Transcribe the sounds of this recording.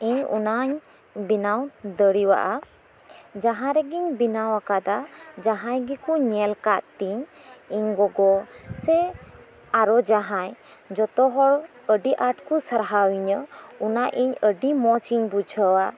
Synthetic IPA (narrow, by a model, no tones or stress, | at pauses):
iɲṵnaɲ | binawd̪əɽiwa̰ʔa | d͡ʒaɦãɾɛɡiɲbinawakad̪ad͡ʒaɦãjɡɛkuɲɛlkaʔt̪iɲ | iɲɡɔɡɔsɛ | aɾɔd͡ʒaɦãj | d͡ʒɔt̪ɔɦɔɽ | əɖiʔaʈ̚kusaɾɦawiɲəunaʔiɲəɖimɔt͡ʃiɲbud͡ʒʱəwa